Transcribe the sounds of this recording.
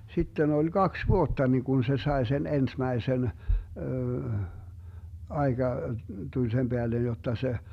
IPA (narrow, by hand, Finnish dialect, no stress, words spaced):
sitːen olʲ ɡ̊ɑks ʋuotːɑ ni kun se sɑe sen ensmæisen ɑeɡ̊ɑ tulʲ sem b̥eælen jotːɑ se